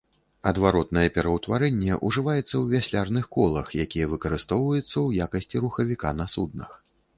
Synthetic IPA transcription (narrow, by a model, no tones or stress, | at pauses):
ɐd̪vaɾɔt̪nɐjɛpʲɛɾɐwt̪vaɾɛnʲːɛʔuʐɨvajɛt̪sːɐwvʲasʲlʲarnɨxkɔlˠɐxjakʲijɛvɨkɐɾɨst̪ɔwvɐjɛt̪sːɐwjakɐsʲt͡sʲiɾuxɐvʲikanɐsud̪̚nɐ̰x